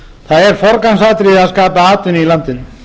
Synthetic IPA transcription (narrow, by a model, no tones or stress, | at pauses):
θaðɛɾ̥fɔɾkansaːt̪ɾiaðskaːpaaːt̪ʏnilant̪ɪn